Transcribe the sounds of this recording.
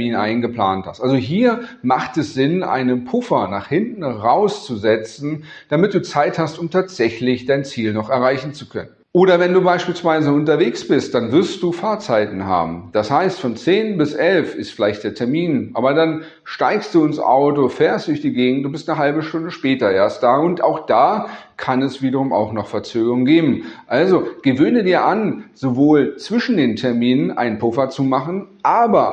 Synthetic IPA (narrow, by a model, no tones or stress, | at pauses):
miːnʔa̰ɪnɡəpl̥a̰ːntha̰stʔalzoɦiːɐmaχtɛsz̥ɪnʔa̰ɪnənpʰʊfɐna̰ːχhɪntn̩ʁaʊst͡suzɛt͡sn̩d̥amɪt̚d̥uːt͡saɪthastʊmtʰaːtz̥ɛçlɪçd̥aɪnt͡siːlnɔχɛɐʁaɪçn̩t͡sukʰœ̰nənʔoːɾɐvɛnduːbaɪʃpiːlsv̥aɪzəʊntɐveːksb̥ɪst̚d̥anvɪɐst̚d̥uːfaːɐt͡saɪtn̩ɦa̰ːbm̩d̥ashaɪstfɔnt͡seːnbɪsʔɛlfɪstfɪlaɪçtd̥eːɐtʰɛɐmiːnʔaːbɐdan | ʃtaɪkstd̥uːɪnsʔa̰ʊtofɛːɐstd̥ʊɐçd̥iːɡeːɡŋ̩tʊntb̥ɪstnəɦalbəʃtʊndəʃpɛːtɐʔeːɐst̚d̥aːʊnta̰ʊxd̥aːkʰanɛsv̥iːdɐʁ̞ʊma̰ʊxnɔχfɛɐt͡søːɡəʁʊŋnɡeːbm̩ʔalzoɡ̥əvøːnədiːɐʔanz̥ovoːlt͡sv̥ɪʃn̩deːntʰɛɐmiːnənʔa̰ɪnənpʰʊfɐt͡sumaχn̩ʔaːbɐ